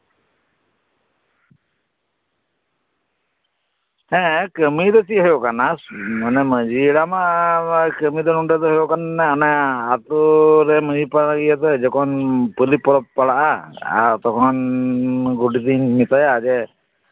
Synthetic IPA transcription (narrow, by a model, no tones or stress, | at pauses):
hɛ̃kəmid̪ɔt͡ʃiɦəjɔkanasanɛməd͡ʒiɽama | kəmid̪ɔnuɳɖɛt̪ɔɦɔjɔkanːɛɔnɛat̪ɔɾɛməd͡ʒipaaɡijat̪ɛd͡ʒɔkʰɔnpəlipɔɽɔppːaɽaʔaa̰t̪ɔkʰɔn | ɡɔʈid̪inmit̪ajaːd͡ʒɛ